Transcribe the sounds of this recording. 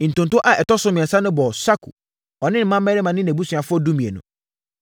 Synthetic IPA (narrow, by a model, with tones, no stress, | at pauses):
n̩˨tʊ̃˨ntʊ˦ʔa˨ɛ˨tɔ˦sʊ˦mɪ̃˨ɛ̃˨sa˦nʊ̃˦bɔ˨sa˦kʰṵ˨ | ɔ˨nɪ̃˦n˨˦mã˦m˦mɛ˦ɾɪ˦mã˨nɪ̃˦næ̃˨bu˦sʊ̃˨a˨fʊ˦ɔ˦du˦mĩ˨e˨nʊ̰̃˨